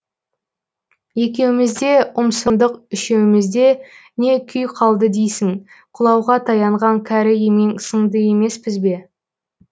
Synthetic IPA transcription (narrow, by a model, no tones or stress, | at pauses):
je̞kʲe̞wɪmɪzd̪e̞əmsənd̪əqʏʃe̞wɪmɪzd̪e̞ne̞kʲʰʏjqʰɑlˠd̪əd̪ejsɪŋ | qʰʊlˠɑwʁɑt̪ʰɑjɑɴʁɑŋkʲʰæɾɪjeme̞ŋsəɴd̪əje̞me̞spɪzbe̞